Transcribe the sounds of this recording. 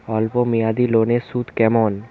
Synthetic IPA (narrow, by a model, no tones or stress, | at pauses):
ɔlpomiad̪ilonesud̪kɛmon